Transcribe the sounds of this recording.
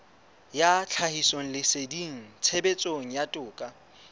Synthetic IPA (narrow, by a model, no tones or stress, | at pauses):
jat͡ɬʰahisoŋ̩lɪsediŋ̩t͡sʰebet͡sʼoŋ̩jatʼʊːkʼa